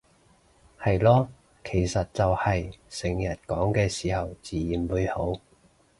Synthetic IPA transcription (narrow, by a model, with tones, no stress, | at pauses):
hɐ˨jlɔː˥ | kʰe˨˩jsɐ˨t̚t͡sɐ˨whɐ˨jsɪ˨˩ŋjɐ˨˩t̚kɔː˨˥ŋkɛː˧siː˨˩hɐ˨wt͡siː˨jiː˨˩nwuː˨˧jho˨˥w